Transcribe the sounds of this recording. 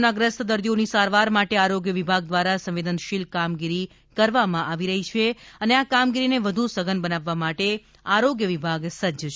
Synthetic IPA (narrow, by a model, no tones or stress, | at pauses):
naɡɾəsəd̪əɾd̪ionisaɾʋaɾmaʈeaɾoɡjəʋibʱaɡ̚d̪ʋaɾasə̃mʋed̪ənʃilkamɡiɾi | kəɾʋamãʔaʋiɾəɦit͡ʃʰeəneakamɡiɾineʋəd̪ʱusəɡənbənaʋːamaʈe | aɾoɡjəʋibʱaɡsəd͡ʒə